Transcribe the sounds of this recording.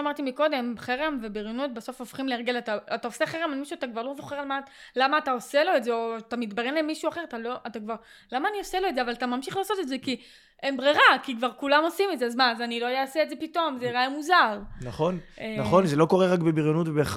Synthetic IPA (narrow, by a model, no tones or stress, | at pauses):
amaʁtimiko̞de̞mχeʁemvebiʁjonut̚beso̞fofχimleaʁɡe̞lataataose̞χeʁemalmiʃuatakvaʁlozoχeʁalmalamaːtaoselo̞etzeot̪amit̪baʁenlemiʃuaχe̞ʁatalo̞ʔatakvaʁ | lamaːnio̞selo̞edzeavalatamamʃiχlaːso̞t̪etze̞ki | ʔembʁiʁakikvaʁkulamo̞simetzeazmazanilo̞jaaseedze̞pito̞mzeʁajamuzaʁnaχo̞nnaχo̞nzelo̞ko̞ʁeʁakbebiʁjonutvebe